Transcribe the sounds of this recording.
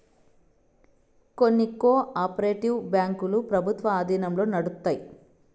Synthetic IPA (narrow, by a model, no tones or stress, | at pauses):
ko̞nːikoːʔaːpɾeːʈiwbjaːŋkulupɾɐbʱut̪ʋɐaːd̪iːnɐmlo̞ːnɐɽut̪ːaːji